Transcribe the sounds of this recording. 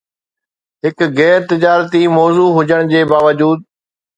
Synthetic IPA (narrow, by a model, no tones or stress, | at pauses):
ɦɪkɣɛːɾt̪ɪd͡ʑaːɾt̪imɔːzuːɦʊd͡ʑəɽ̃d͡ʑeːbaːʋəd͡ʑuːd̪̚